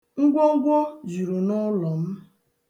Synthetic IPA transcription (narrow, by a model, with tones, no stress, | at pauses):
ŋ̩˦ɡʷɔ˦ŋ̩˦ɡʷɔ˦d͡ʒu˨ɾu˨nʊ˦lɔ˨m̩˦